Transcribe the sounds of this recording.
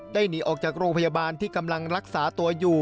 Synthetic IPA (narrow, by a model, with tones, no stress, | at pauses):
daː˥˩jniː˨˦ʔɔː˨˩k̚t͡ɕaː˨˩k̚ɾoː˧ŋpʰa˧ja˧baː˧nt̪ʰiː˥˩ka˧mla˧ŋɾa˦˥k̚saː˩˦t̪u˧ɐjuː˨˩